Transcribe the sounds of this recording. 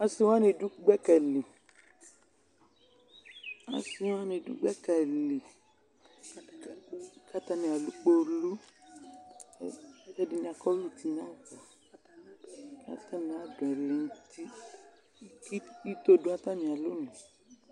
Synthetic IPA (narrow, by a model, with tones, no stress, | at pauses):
a˧si˧w̃a˦nĩ˧˨du˦ɡ͡bɛ˦kɛ˧˨li˨ | a̰˧si˧w̃a˦nĩ˧dṵ˦ɡ͡bɛ˦kɛ˨li˨ | ka˦ta˧nĩ˧a˨lu˨˦k͡po˦˧lu˦ | d͡ʒɛ˧di˧nĩ˧˦a˧kɔ˦lu˦˨ti˧˦nã˦kɔ˨ | ka̰˦ta˦˨nĩ˧˨a˨˦˨dɔ˨ɛ˨le˨˧n̩˦ti˦ | ki˦i˦to˧dũ˦a˦ta˦˨nĩ˧˨a˨lu˦nũ˨